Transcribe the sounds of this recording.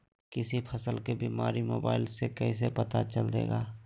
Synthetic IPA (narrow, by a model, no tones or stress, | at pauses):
kɪsipʰɐsəlkebiːmaːɾimoːba̰ːɪlsekɛɦis̬epɐt̪at͡ʃəld̪ḛːɡaː